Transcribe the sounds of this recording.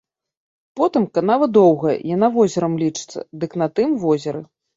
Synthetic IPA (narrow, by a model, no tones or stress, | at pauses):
pɔt̪ɨmkanavɐd̪ɔwɣɐ̰janavɔzʲɐɾɐmlʲit͡ʂɨ̥t̪sːɐ̰d̪ɨknɐt̪ɨmvɔzʲɐɾɨ